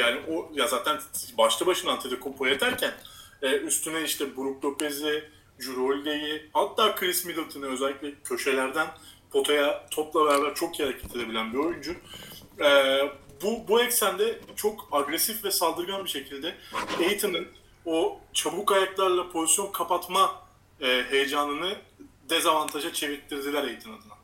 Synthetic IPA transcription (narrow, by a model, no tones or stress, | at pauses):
jaːniʔojazaːt̪ʰænbaʃlˠabaʃɯnant̪ʰid̪ɯkʰompʰojet̪ʰæɾcʰænɛːyst̪ʰynɛiʃt̪ɛbuɾuk̚lʲˠo̞pezlʲɛ | d͡ʒuɾolʲd̪ejihat̪ːaːkʰɾismid̪ilˠt̪ʰɯnɯø̞zɛlʲːiclʲɛcʰø̞ʃe̞lʲæɾd̪ænpʰo̞t̪ʰajat̪ʰoplˠabeɾaːbæɾt͡ʃʰo̞kihaɾacʰɛ̥t̪ʰe̞d̪e̞bilʲænbio̞jund͡ʒu | ɛ | bubuɛcsænʲd̪ɛt͡ʃʰo̞kaɡɾesifvɛsalˠd̪ɯɾɡanbiʃe̞cʰilʲd̪ɛejit̪ʰɯnɯn | ot͡ʃʰabukajat̪lˠaɾlˠapʰo̞zisjo̞nkʰapat̪ma | ɦejed͡ʒanlˠɯnɯd̪ezavant̪ʰaʒat͡ʃʰe̞viɾt̪ʰːiɾd̪ilʲæɾe̞jit̪ʰinad̪ɯna